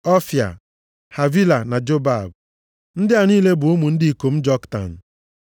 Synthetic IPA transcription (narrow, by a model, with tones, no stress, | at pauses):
ɔ˦fja̰˨ | ha˨vi˦la˨na˨d͡ʒo˦ba˦˨b̚ | n̩˦dɪ˦a˨niː˦le˦bʊ˨ʊ˦mu˨n̩˦dɪ˦i˨ko˨m̩˦d͡ʒɔ˦kta̰˨n̩˨